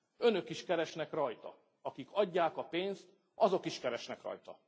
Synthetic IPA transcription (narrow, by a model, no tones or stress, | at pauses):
ø̞nø̞kiʃkɛɾɛʃnɛkrɒjt̪ɒ̰ | ɒkikʰɒɟːaːkɒpeːnst̪ | ɒzo̞kiʃkɛɾɛʃnɛkrɒ̰jt̪ɒ̰